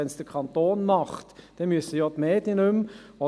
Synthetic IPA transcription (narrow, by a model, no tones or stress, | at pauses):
ɛnsd̪əkʰɑnt̪oːnmɑχt̪d̥̪ɛmysəjɔt̪meːd̪ɪnʉmɔ